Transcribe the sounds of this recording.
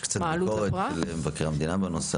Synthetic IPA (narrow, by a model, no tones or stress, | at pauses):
kt͡satbilukoʁealemevakeʁamed̪inabenos